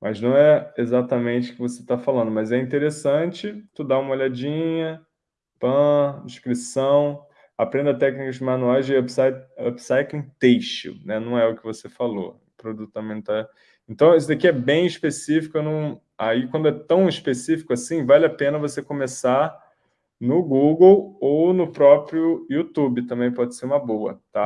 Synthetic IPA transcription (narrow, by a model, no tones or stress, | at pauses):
mɐznɐ̃w̃ɛezat̪ɐmẽnt͡ʃɪʊ̥kɪvoset̪afalɐ̃nd̪ʊmɐzɛĩnt̪eɾesɐ̃t͡ʃɪt̪ud̪aũmɐoʎad͡ʒĩɲɐ | pɐ̃d͡ʒiʃkɾisɐ̃w̃ | apɾẽnd̪ɐt̪ɛknikɐzd͡ʒɪmanuajzɪɛbsajobsajkẽt̪ejʃḭnɛnɐ̃w̃ɛʊkɪvosefalo̰ʊpɾod̪ut̪ʊ̥t̪ɐ̃mẽj̃t̪a | ẽnt̪ɐ̃w̃isʊd̪akiɛbẽj̃iʃpesifi̥kʊnũ | aikwɐ̃nd̪ʊɛt̪ɐ̃w̃iʃpesifi̥kʊasĩvalɪapẽnɐvosekõmesa | nʊɡuɡowownʊpɾɔpɾjʊut̪ubɪt̪ɐ̃mbẽj̃pɔd͡ʒɪseɾũmɐbowɐ̰t̪a